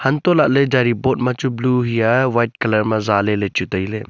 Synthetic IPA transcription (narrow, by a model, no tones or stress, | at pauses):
hɐnt̪olaʔled͡ʒaːɾiboːʈmãt͡ʃubluːɦijaʋaːjʈ̚kɐləɾmãzaːlelet͡ʃut̪ɐile